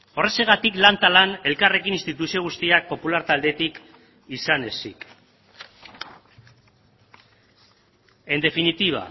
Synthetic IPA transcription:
o̞re̞seɣ̞at̪iklant̪alane̞lkare̞kinist̪it̪usio̞ɣ̞ust̪iak̚po̞pulaɾt̪ald̪e̞t̪ik | isane̞sḭk | end̪e̞finit̪iβa̰

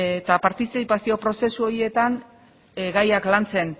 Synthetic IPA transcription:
t̪apaɾt̪isejpasio̞pɾo̞se̞suoɾie̞t̪an | ɡajaklant͡se̞n

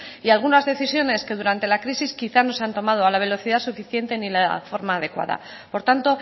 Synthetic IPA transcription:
ialɣ̞unazðe̞θisjo̞ne̞ske̞ðuɾant̪e̞lakɾisiskiθano̞sant̪o̞mað̞o̞alaβe̞lo̞θiðasufiθje̞nt̪e̞nilafo̞ɾmaːðe̞kwa̰ða̰ | po̞ɾt̪ant̪o̞

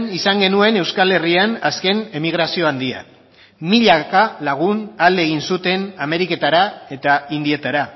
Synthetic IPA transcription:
nisaŋɡe̞nue̞ne̞wskale̞rianaske̞ne̞miɣ̞ɾasio̞and̪ia̰ | miʎakalaɣ̞unald̪eɣ̞insut̪e̞name̞ɾike̞t̪aɾae̞t̪aind̪ie̞t̪aɾa

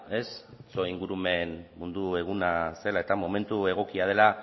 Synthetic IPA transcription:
e̞st͡so̞iŋɡuɾume̞nmund̪ue̞ɣ̞unase̞lae̞t̪amo̞me̞nt̪ue̞ɣ̞o̞kiað̞e̞la

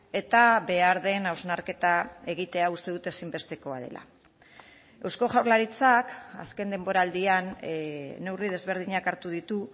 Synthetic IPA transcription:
e̞t̪aβe̞aɾðe̞nawznaɾke̞t̪ae̞ɣ̞it̪e̞aust̪e̞ðut̪e̞simbe̞st̪e̞ko̞að̞ḛlʔa̰ | e̞wsko̞ʝawɾlaɾit͡saka̰ske̞nd̪embo̞ɾaːld̪ianː | e̞wrið̞e̞zβe̞ɾð̞iɲakaɾt̪uð̞it̪u

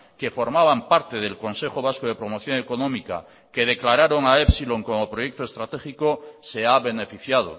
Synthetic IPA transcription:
ke̞fo̞ɾmaβampaɾt̪e̞ð̞e̞lko̞nse̞xoβ̞askoðe̞pɾo̞mo̞θjo̞ŋeko̞nõ̞mika̰ | ke̞ð̞e̞klaɾaɾo̞ŋaepsilo̞ŋko̞mopɾo̞je̞k̚t̪oe̞st̪ɾat̪e̞xikose̞aβe̞ne̞fiθjað̞o̰

